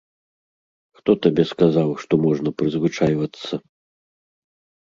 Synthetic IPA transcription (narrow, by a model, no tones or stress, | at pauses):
xt̪ɔt̪abʲɛskazawʂt̪ɔmɔʐnɐpɾɨzvɨt͡ʂajvɐt̪sːɐ